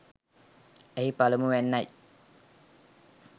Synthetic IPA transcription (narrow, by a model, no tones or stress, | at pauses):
eɦipalumuʋænːaj